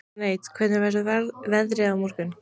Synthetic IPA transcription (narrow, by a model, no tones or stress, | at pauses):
neːjt̪kʰvɛt̪nɪɾvɛsvɛðɾɪawmuɾ̥kʏn